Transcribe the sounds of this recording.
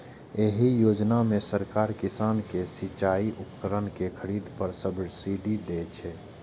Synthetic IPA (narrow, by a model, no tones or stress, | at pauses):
eɦijod͡ʒnamesəɾkaɾkisaːnkesit͡ʃaiʔʊpkəɾənkekʰəɾid̪ʱpəɾsəbʱiɽsiɖid̪et͡ʃʰɛ